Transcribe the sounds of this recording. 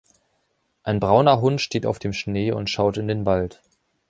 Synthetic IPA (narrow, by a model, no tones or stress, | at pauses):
ʔaɪnbʁaʊnɐɦʊntʃteːta̰ʊfd̥eːmʃneːʊ̰ntʃaʊtɪndeːnvalt